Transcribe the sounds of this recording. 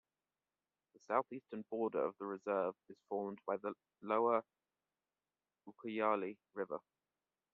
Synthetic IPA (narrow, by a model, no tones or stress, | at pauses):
ðəsaʊθiˑstənbɔːdə̰ɹə̰vðəɹɪzɜːvɪz̥fɔːmbaɪðə | ləʊə | ukʰəjɑːli | ɹɪvə̰